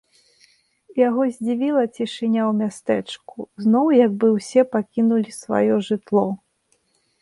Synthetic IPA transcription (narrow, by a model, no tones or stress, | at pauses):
jaɣɔzʲd͡zʲivʲilˠɐt͡sʲiʂɨnʲawmʲast̪ɛt͡ʂkuznɔwjɐɡ̚bɨwsʲɛpakʲinulʲisva̰jɔʐɨt̪lˠɔ